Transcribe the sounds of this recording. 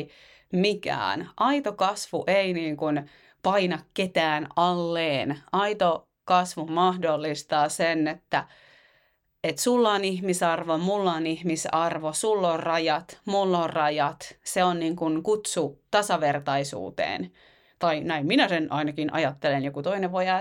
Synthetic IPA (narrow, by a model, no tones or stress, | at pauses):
mikæ̰ːnʔɑit̪okɑsʋṵʔeiniːŋkun | pɑinɑkket̪æːnɑlːeːnɑit̪o | kɑsʋumɑhdolːist̪ɑːsenet̪ːæ | et̪sulːɑnihmisɑrʋomulːɑnihmisɑrʋosulːorrɑjɑt̪mulːorrɑjɑt̪seonniːŋkunkut̪sut̪ɑsɑʋert̪ɑisṵːt̪ḛːn | t̪ɑinæimminæsenʔɑinɑkinʔɑ̰jɑt̪ːelenjokut̪oineʋʋojɑ